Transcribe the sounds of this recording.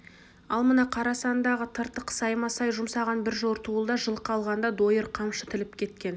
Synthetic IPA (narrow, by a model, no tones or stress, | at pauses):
ɑlˠmənɑqʰɑɾɑsɑnd̪ɑʁət̪ʰəɾt̪əqʰə̥sɑjmɑsɑjʒʊmsɑʁɑnbɪɾʒo̞ɾt̪ʰuəlˠd̪ɑʒəlˠqɑlˠʁɑnd̪ɑd̪o̞jəɾqʰɑmʃə̥t̪ʰɪlɪpkʲʰe̞t̪kʲe̞n